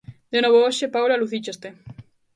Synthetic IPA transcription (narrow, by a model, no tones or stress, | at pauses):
d̪̥enoβooʃepawlaluθit͡ʃost̪e